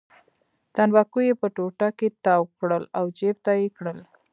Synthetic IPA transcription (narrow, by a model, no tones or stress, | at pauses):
t̪anwɑkujepəʈoʈaket̪ɑwkɽəlawd͡ʒeb̚t̪ajekɽəl